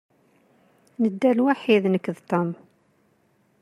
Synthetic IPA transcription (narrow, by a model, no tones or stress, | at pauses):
nəd̪ːælwaħiðnəkːðt̪om